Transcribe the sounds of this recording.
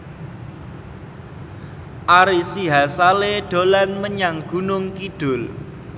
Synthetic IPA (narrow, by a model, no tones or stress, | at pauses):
ʔaɾisiɦasaleɖ̥olanməɲaŋɡ̥unʊŋkiɖ̥ʊl